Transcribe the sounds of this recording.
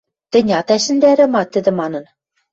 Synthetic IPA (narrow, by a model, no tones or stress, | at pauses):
t̪ɘ̆nʲɑt̪æʃɘ̆nd̪æɾɘ̆mɑt̪ːɘ̆d̪ɘ̆mɑnɤ̆n